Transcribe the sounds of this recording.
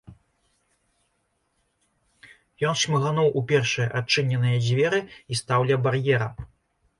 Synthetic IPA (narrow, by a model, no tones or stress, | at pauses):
jɔnʂmɨɣanɔwʔupʲɛrʂɨjɐʔat͡ʂːɨnʲɛnɨjɐd͡zʲvʲɛɾɨist̪awlʲɛbarjɛɾɐ